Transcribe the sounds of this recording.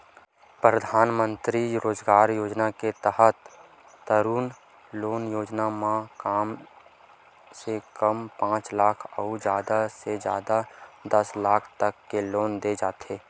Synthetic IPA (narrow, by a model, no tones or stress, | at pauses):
pɾəd̪ʱaːnmə̃nt̪ɾiɾoːd͡ʒɡaːɾjoːd͡ʒnaket̪əɦət̪ː | əɾuːn | loːnjoːd͡ʒnamãkaːm | sekəmpãːt͡ʃlaːkʰɔʊd͡ʒjaːd̪ased͡ʒja̰ːd̪ad̪ɐslaːkʰt̪əkːeloːnd̪ed͡ʒaːt̪eː